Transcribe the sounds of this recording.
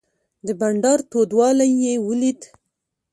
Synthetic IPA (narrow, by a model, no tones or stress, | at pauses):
d̪əbaɳɖɑɾt̪od̪wɑlajːewəlid̪